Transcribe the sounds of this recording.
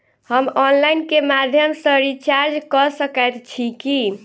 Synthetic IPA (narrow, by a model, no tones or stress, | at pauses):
həmɔnlajnkemad̪ʱjəmsəɾit͡ʃaɾd͡ʒkɔsəkəjt̪t͡ʃʰiki